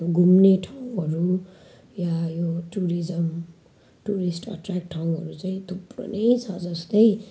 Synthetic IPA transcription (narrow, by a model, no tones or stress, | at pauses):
joɡʱumneʈʰaw̃ũɦʌɾu | jajoʈuɾid͡zʌm | ʈuɾisʈʌ̰ʈrakʈʰaw̃ɦʌ̰ɾut͡saĩt̪ʰupro̰nejt͡sʰʌd͡zʌst̪ʌj